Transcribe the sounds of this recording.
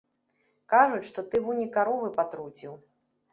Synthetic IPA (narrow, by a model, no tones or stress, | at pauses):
kaʐut͡sʲʂt̪ɔt̪ɨvunʲikaɾɔvɨpat̪ɾut͡sʲiw